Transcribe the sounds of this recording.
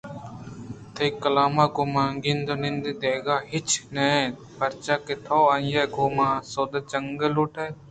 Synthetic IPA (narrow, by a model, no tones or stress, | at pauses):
t̪ʰekːəlaːmãːkoːmãːŋɡĩnd̪onɪnd̪ed̪eːɡaːɦɪt͡ʃneː | pəɾt͡ʃaːkɪt̪ʰoːəjeːɡoːmãːsoːd̪ət͡ʃəŋɡəluʈʰeː